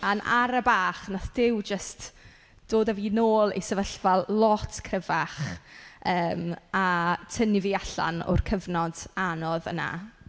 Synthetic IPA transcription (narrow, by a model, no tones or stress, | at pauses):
anʔa̰ɾəbaːχnaθd̥ɪwd͡ʒəst | d̥oːdaviːnoːlˠḭsəvəɬv̥alˠlɔtʰkʰrəvaχ | əːmatʰənɪviaɬa̰nʊ̰rkʰəvnɔd̥anɔðə̰na̰